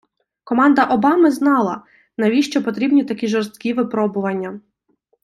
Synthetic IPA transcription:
kɔmɑnd̪ɐʔɔbɑmɪznɑlˠɐ | nɐʋʲiʃt͡ʃɔpɔt̪ɾʲibnʲit̪ɐkʲiʒɔɾst̪kʲiʋɪpɾɔbʊʋɐnʲːɐ

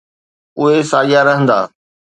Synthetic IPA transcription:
ʊɦesaːjaɾɐɦə̃nd̪a̰ː

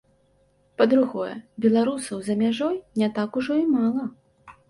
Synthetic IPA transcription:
pɐd̪ɾuɣɔjɛ̰bʲɛlˠaɾusɐwzɐmʲaʐɔjnʲɛt̪akuʐɔimalˠɐ

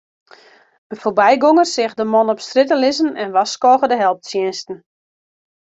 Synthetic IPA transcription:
əfoːrbɛjɡoŋərsɪxdəmɔnɔpstrɪt̬əlɪzənɛnʋaskɔːɣədəɦɛlˠp̚tsjɪnstn̩

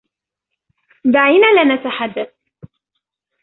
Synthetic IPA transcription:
d̪aʕiːnaːlanat̪aħad̪ːaθ

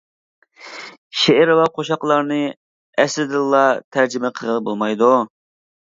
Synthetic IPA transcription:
ʃeɪɾlɑqʰoʃɑqlˠɑɾnɨ | ɛslɪd̪ɨlˠːɑt̪ʰæɾd͡ʒɪmɛqʰəʁəbolˠmɑjd̪u

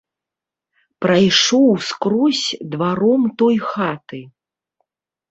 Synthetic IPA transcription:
pɾajʂɔwskɾɔsʲd̪vaɾɔmt̪ɔjxat̪ɨ

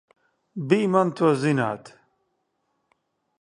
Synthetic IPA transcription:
biːmɐnt̪ʰozinaːt̪

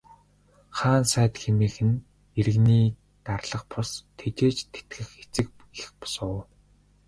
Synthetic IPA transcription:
χaːnsæːt̪xemiːxɘ̆n | eɾɘ̆ɣniː | t̪arɮə̆qpʰʊɮst̪ʰet͡ɕeːt͡ɕt̪ʰːe̥t̪ɡɘ̆xet͡sɘ̆k̚ | ixpɔ̥sʊː

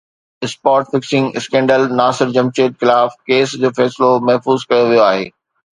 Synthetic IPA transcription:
ɪspaːɾʈfɪksɪ̃ŋɡɪ̰skẽːɳɖəlnaːsɪɾd͡ʑɐmt͡ɕeːʈxɪlaːfkeːsd͡ʑoːfɛːsɪlomɐɦfuːzkɐjoʋijoaːɦḛː

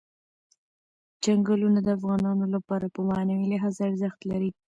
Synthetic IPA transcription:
d͡ʒaŋɡəlunad̪əafɣɑnɑnolapɑɾapəmanawilaɦɑzaaɾzəxt̪laɾi

